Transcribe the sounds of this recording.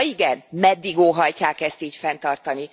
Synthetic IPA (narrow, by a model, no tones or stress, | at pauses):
iɡɛnmɛd̪ːiɡoːɦɒjcaːkɛst̪iːcfɛnt̪ɒrt̪ɒni